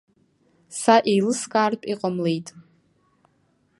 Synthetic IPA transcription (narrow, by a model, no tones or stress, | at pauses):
saʔejlɨskʼaːrpʼiqʼamlejtʼ